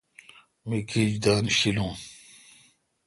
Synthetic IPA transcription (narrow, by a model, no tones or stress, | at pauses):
mikʰid͡ʑd̪aːnɕilũː